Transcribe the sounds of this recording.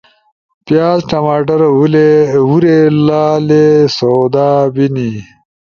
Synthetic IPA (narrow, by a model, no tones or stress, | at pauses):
pjaːzʈɐmaːʈ̬ɐɾulewuɾelaːlesod̪aːbini